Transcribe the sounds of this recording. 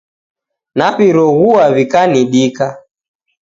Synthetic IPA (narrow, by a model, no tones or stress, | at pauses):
naβiɾɔɣuaβikaniɗika